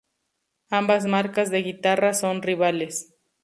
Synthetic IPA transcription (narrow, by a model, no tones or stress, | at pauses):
ambazmaɾkazðe̞ɣit̪araso̞nriβales